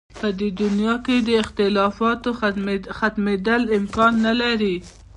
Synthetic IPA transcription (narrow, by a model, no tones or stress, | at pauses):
pəd̪əd̪ʊnjɑked̪əɪxt̪ɪlɑfɑt̪oxat̪med̪əlɪmkɑnːalaɾi